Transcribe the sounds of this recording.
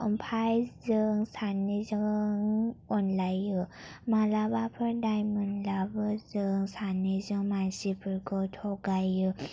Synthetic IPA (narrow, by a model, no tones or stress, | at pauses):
əmpʰajzɯŋsanːizɯŋɔnlajɯmalabapʰɯɾdajmɯnlabɯzɯŋsanːizɯŋmansipʰɯɾkʰɔtʰɔɡajɯ